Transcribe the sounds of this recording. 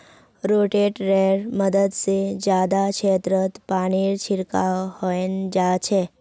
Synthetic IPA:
ɾoʈeʈɾeɾməd̪əd̪sed͡ʒad̪at͡ʃʰet̪ɾət̪paɳiɾt͡ʃʰiɾkahɔjnd͡ʒat͡ʃʰe

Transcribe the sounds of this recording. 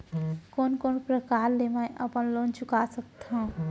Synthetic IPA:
koːnkoːnpɾəkaːɾlemɛ̃ʔəpənloːnt͡ʃʊkasək̚t̪ɦã

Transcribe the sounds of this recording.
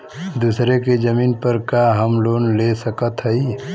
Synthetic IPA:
d̪usɾeked͡ʒəmiːnpəɾkaɦəmloːnlesəkət̪ɦəi

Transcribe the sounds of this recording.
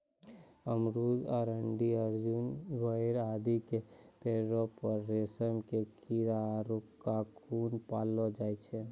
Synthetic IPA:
əmɾud͡ʒɔːɾəɳɖiəɾd͡ʒunbəjɾaːd̪ikepeɾopəɾːesəmkekiɾaɾukkːakʰunpaːlɔd͡ʒaːjt͡ʃʰɛ

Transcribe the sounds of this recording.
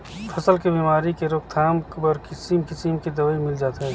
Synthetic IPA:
pʰɐsəlkebiːmaːɾikeɾoːk̚t̪ʰaːmkbəɾkɪsimkɪsimkid̪ɐʋaːimɪld͡ʒaːt̪ɦɛː

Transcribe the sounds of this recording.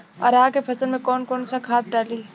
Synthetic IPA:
ɔ̰ːɾaːkepʰɐsənmẽkɔːnkɔːnsakʰaːt̪̚ɖaːliː

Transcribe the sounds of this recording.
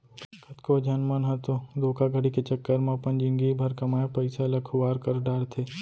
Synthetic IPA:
kʰət̪kod͡ʒɐnmənɦɐt̪od̪oːkaɡʱəɽiket͡ʃɐkːəɾmãpɐnd͡ʒɪ̃ŋɡibʱɐɾkɐmaːjapɐɪsalɐkʰʊʋaːɾkɐɾɖaːɽt̪ʰeː

